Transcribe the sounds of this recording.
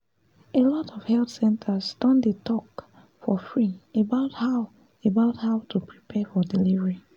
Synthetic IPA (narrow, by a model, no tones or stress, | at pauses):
elɔtɔv̥hɛlθsɛ̃ntʰəsdɔ̃ndetʰɔk | fɔfɹiebaʊthaʊ | ebaʊthaʊtʰupʰɹipʰɛfɔdilivəɹi